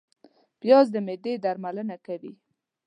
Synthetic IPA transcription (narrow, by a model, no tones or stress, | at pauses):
pjɑzd̪əmed̪ed̪aɾmalənakawi